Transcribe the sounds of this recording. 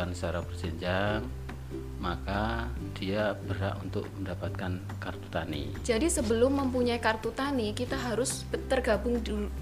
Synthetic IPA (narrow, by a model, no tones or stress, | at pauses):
ansaɾaŋpərd͡ʒəɲd͡ʒaŋ | maka | d̥iab̥əɾa̰ʔunt̪ʊ̰k̚məndapat̪̚kan | kart̪u̥t̪anḭ | d͡ʒadisəbəlʊmːəmpuɲaikart̪ut̪anikit̪aɦaɾʊsbət̪ərɡabʊŋdu